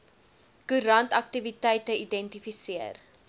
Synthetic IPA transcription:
kuɾɐntɐk̚tivitɛjtəidɛntifisiər

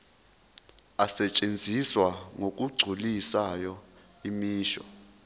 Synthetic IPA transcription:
asɛt͡ʃʼend͡zʱiswaŋok̬ʼuɡ͡ǀʱulisajɔ | imiːʃɔ̰

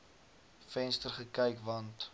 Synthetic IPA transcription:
fɛnstərχəkɛjkvɐnt

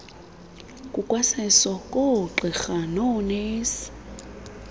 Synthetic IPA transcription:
kʼukʼwasɛsɔkʼoǁixanɔneːsi̥

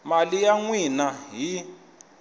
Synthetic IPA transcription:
malijaŋwinaɦi

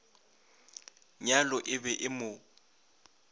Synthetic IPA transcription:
ɲalɔʔɪbɛʔɪmʊ

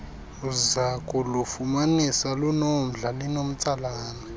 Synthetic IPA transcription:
uzakʼulufumanisalunom̩ɮalinom̩t͡sʼalaːnɛ

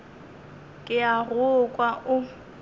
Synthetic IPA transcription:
kʼɪarʊkʼwaʊ

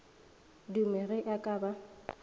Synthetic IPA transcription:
dumɛɣɛʔakʼaːba

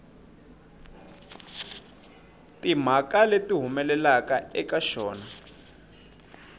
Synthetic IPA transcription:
tim̤akaletiɦumɛlɛlakaɛkaʃɔːna

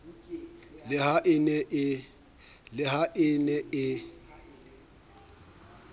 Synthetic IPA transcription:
lɪhaʔɪnɛʔ | lɪɦaʔɪnɛɪ

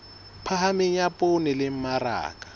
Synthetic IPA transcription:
pʰaɦamɪɲapʼonɪlɪm̩mara̰ːkʼḁ

